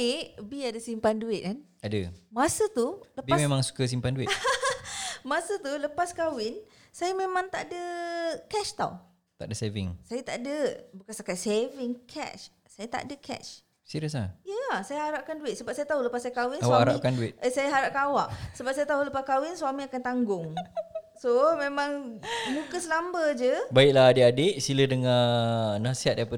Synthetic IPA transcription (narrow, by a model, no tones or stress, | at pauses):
biadəsimpanduɪt̪̚kan | adə̰masət̪uləbimemãŋsu̥kəs̬impanduɪ | masət̪uləpaskawɪn | sajamemãŋt̪aʔdəkɛʃt̪a̰w | t̪a̰ʔdəsevɪ̰ŋsajat̪aʔdəbukansakat̪̚sevɪŋkʰɛ̰t͡ʃ | sajat̪a̰ʔdəkʰɛ̰t͡ʃ | siɾəs̬lajasajaɦaɾaʔkanduɪt̪̚səbap̚sajat̪aɦoləpasajkawɪnawahaɾa̰ʔkanduɪt̪̚ʔəsajaɦaɾaʔkaawaʔsəbap̚sajat̪aɦoləpakawɪnswamiakant̪aŋɡʊŋsomẽmãŋmukəsəlambəd͡ʒəbaɪʔ̚laadeʔadeʔsilədəŋanasiɦat̪̚diapə